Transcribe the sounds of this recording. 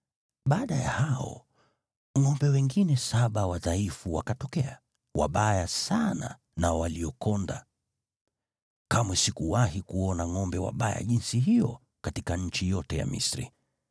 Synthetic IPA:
ɓaːɗaja̰haɔ̰ | ŋɔmbɛwɛŋɡinɛsaɓawaðaifuwakatɔkɛa | wa̰ɓajasana̰ | nawaliɔkɔnda̰ | kamwɛsikuwahikuɔnaŋɔmbɛwa̰ɓaja̰ʄinsiɦijɔ | katikaɲ̩t͡ʃijɔtɛja̰mḭsɾḭ

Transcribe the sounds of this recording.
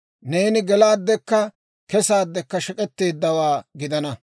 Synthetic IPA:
ne̞ːnɪɡɛlaːd̪ːɛkːɐ | kɛsaːd̪ːɛkːɐʃɛkʼɛt̪ːe̞ːd̪ːɐwaːɡɪd̪ɐnɐ

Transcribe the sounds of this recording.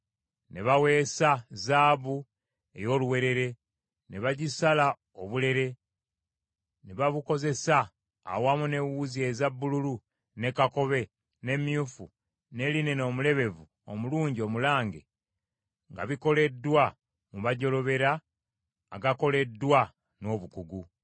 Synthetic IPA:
neβawe̞ːsazaːβu | e̞̰jo̞luwe̞ɾe̞ɾe̞ | neβaɟisala | oβule̞ɾe̞ | neβaβuko̞ze̞sa̰ː | wamune̞wuzie̞zabːululu | ne̞kako̞βe̞ | ne̞mjufu | ne̞line̞no̞ːmule̞βe̞vu | o̰muluːɲɟio̞mulaːŋɡḛ | ŋɡa̰βiko̞le̞dwa | muβaɟo̞lo̞βe̞ɾaː | ɡako̞le̞dːwa | no̞ːβukuɡu

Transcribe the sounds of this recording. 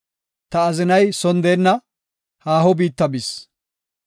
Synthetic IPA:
t̪ɐːzɪnɐjsɔnd̪eːnːɐ | haːɦɔbiːt̪ːɐbɪs

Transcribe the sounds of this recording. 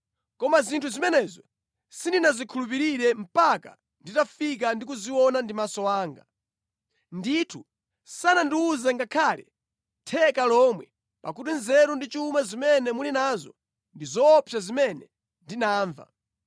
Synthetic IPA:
kɔmazintʰuzimɛnɛzɔ | sindinazikʰulup̬iɾiɾɛm̩paka̰ | nditafik̬andik̬uziwɔnandimasɔwaːŋɡa | nditʰu | sanandiuzɛŋɡakʰaːlɛ̰ | tʰɛkalɔmwɛ | pakut̬inzɛɾundit͡ʃumazimɛnɛmulinazɔ̰ | ndizɔːpʰjazimɛnɛ | ndinaːɱva̰

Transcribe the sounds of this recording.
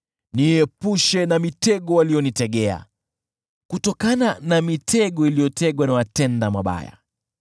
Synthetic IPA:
niɛpuʃɛnamitɛɠɔwalijɔnitɛɠɛa̰ | kutɔkananamitʰɛɠɔilijɔtɛɠwanawatɛndamaɓa̰ja̰

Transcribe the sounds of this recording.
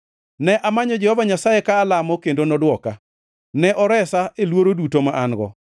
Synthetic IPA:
nɛʔamaɲɔd͡ʒɛhɔvaɲasajekaːlamɔkendonɔdwɔka | nɛʔɔɾɛsaelwoɾodutomaʔaŋɡɔ̰

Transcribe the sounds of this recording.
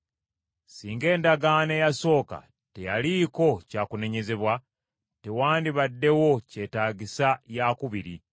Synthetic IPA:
siːŋɡe̞ːndaɡane̞jaso̞ːka̰ | te̞jaliːko̞caːkune̞ɲe̞ze̞βwa | te̞waːndiβadːe̞wo̞ce̞ːtaːɡisajakuβiɾi

